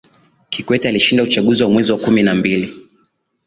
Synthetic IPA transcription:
kikwɛtialiʃindaut͡ʃaɠuziwamwɛziwakuminambili

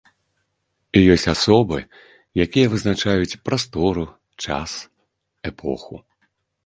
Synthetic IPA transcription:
ijɔsʲt͡sʲasɔbɨ | jakʲijɐvɨznat͡ʂajut͡sʲpɾast̪ɔɾu | t͡ʂa̰s | ɛpʰɔ̰xṵ

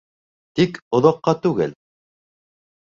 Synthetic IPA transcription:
t̪ikŏðɑqːɑt̪ʉɡɘl

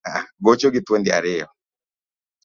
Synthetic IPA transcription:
aɡot͡ʃoɡɪt̪wendɪa̰ɾɪɔ

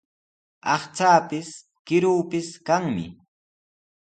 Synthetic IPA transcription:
ɑχt͡saːpɪs | kɪɾuːpɪskaŋmɪ̰

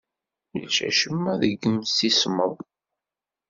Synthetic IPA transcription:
jə̰lt͡ʃæ̰ʃəmːæðəɡːəmsisməðˤ

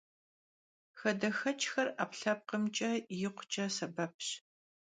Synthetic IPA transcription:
xɐdɐxɐt͡ʃʰʼxɐra̰ːpɬɐp̚qəmt͡ʃʼɐjɪqʷʊ̥t͡ʃʼɐsɐbɐp̚ʰɕ

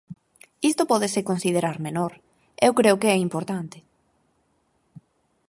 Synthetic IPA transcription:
ist̪opɔðɪsekonsiðeɾaɾmenoɾ | ewkɾeokeɛimpoɾt̪ant̪ɪ̥

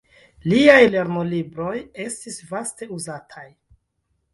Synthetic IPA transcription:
liajle̞ɾnolibɾo̞je̞stisvaste̞uzatʰaj

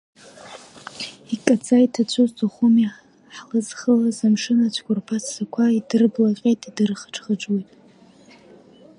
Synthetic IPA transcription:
ikʼat͡sʼajtʰat͡ɕʷʰʊztʰaχumi | ħlɨzχəlazamʂɨnat͡ɕʷʰkʷʊrpʰasʰːakʷʰaidɨrblaqʲʼejtʼidɨrχə̥ʈ͡ʂʰχəʈ͡ʂwejtʼ

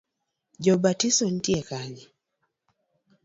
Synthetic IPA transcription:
d͡ʒɔbatisɔn̩tiekaɲi

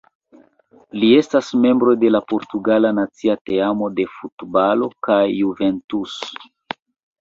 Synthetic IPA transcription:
lie̞stasme̞mbɾo̞jde̞lapo̞ɾtuɡalanat͡siate̞amo̞de̞futbalo̞kajːuventus

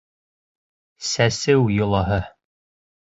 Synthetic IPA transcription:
sæsɘwjŏlˠɑɦɤ

